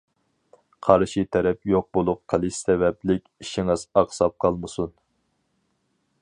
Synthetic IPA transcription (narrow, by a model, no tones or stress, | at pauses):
qʰɑɾʃit̪ʰɛɾɛpjoq̚bolˠʊqqʰəlˠɨssɛvɛplɪkʲiʃiŋɨzɑqsɑp̚qʰɑlˠmɨsun